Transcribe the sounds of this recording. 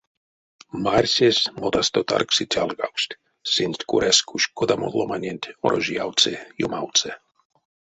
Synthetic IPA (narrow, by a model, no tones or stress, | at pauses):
marʲsʲesʲmot̪ast̪ot̪a̰rksit̪ʲalɡawsʲt̪ʲ | sinʲsʲt̪ʲkuɾʔɛskuʃkod̪amod̪lˠomanʲenʲt̪ʲoɾoʒijawt̪t͡sejumawt̪t͡s̪ɛ